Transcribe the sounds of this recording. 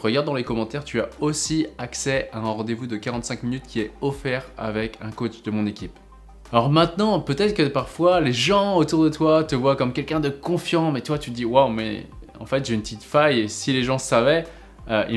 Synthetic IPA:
ʁəɡaʁd̪ːɑ̃lekɔmɑ̃t̪ɛʁt̪yaosiaksɛaɛ̃ʁɑ̃d̪evud̪əkaʁɑ̃t̪sɛ̃kminyt̪kʲiɛɔfɛʁa̰vɛkɛ̃kot͡ʃd̪əmɔ̃nekʲip | alɔʁmɛ̃t̪nɑ̃pøt̪ɛt̪χəkəpaʁfwaleʒɑ̃ot̪uʁd̪ət̪wat̪əvwakɔmkʲɛlkʲɛ̃d̪əkɔ̃fjɑ̃mɛt̪ywat̪yd̪iwawmɛ̰ | ɑ̰̃fɛt̪ʒeynpət̪it̪fajesileʒɑ̃savɛ | əʔi

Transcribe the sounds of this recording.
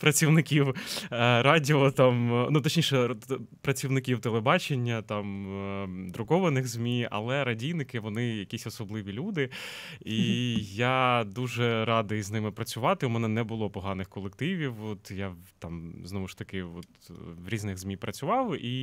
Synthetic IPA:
pɾɐt͡sʲiwnɪkʲiw | ɾɑdʲiɔt̪ɑmnut̪ɔt͡ʃnʲiʃɛpɾɐt͡sʲiwnɪkʲiwt̪elˠebɑt͡ʃenʲːɐt̪ɑm | d̪ɾʊkɔʋɐnɪɣzʲmʲiɐ̰lˠɛɾɐdʲijnɪkɪʋɔnɪjɐkʲisʲɔsɔblˠɪʋʲilʲud̪ɪijad̪uʒɛɾɑd̪ɪznɪmɪpɾɐt͡sʲʊʋɑt̪ɪumɛnɛnɛbʊlˠɔpɔɦɑnɪxkɔlˠek̚t̪ɪʋʲiwɔt̪jat̪ɑmznɔʋʊʃt̪ɐkɪɔt̪wɾʲiznɪɣzmʲipɾɐt͡sʲʊʋɑwi

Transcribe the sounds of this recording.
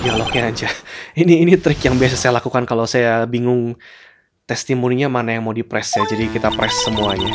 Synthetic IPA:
jalohjaaɲd͡ʒainiːnit̪ɾɪkjaŋbias̬asajalakukankalawsajabiŋʊŋ | t̪ɛst̪imuniɲamanajaŋmodipɾɛsjad͡ʒadikit̪apɾɛsːəmuaɲa

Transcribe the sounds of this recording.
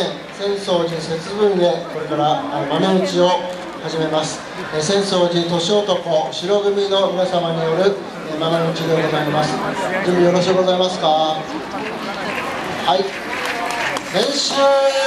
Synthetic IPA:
ẽ | sẽ̞ɰ̃so̞ːʑĩse̞t͡sɨbɯ̟̃ɰe̞ko̞ɾe̞kaɾamamemɯ̟t͡ɕio̞ | haʑime̞masɨ̥ | esẽ̞ɰ̃so̞ːd͡ʑit̪o̞ɕo̞ːt̪o̞koɕiɾo̞ɡɯ̟mʲino̞mʲinasamaɲ̟ijo̞ɾɯ̟ | emanemɯ̟t͡ɕid̪e̞oɡ̪oɡaimasɨ̥d͡ʑɨ̃mbʲijo̞ɾo̞ɕikoɡo̞zaimasɨ̥ka | hai | sẽ̞ɰ̃ɕɨː

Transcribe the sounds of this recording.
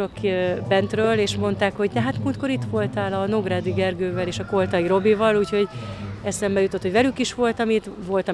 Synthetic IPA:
okbɛnt̪røːleːʃmo̞nt̪aːkho̞ɟd̪ɛɦat̪muːt̪ko̞ɾit̪ʋo̞lt̪aːlɒnoɡraːd̪iɡɛrɡøːvɛleːʃɒko̞lt̪ɒiɾo̞bivɒluːcho̞ɟɛsɛmbɛjut̪o̞t̪ho̞ɟʋɛlykiʃʋo̞lt̪ɒmit̪ʋo̞lt̪ɒ

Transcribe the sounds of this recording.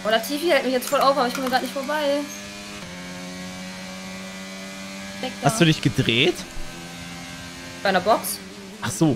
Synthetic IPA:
ʔodaɐtʰiːfiːhɛltmɪçjɛt͡stfɔlaʊfʔabɐɪçkʰɔmiːɡʁaːtnɪçtfoɐbaɪ | ɛhastd̥uːdɪçɡ̥ədʁeːt | d̥aɪnɐbɔks | ʔaχz̥oː

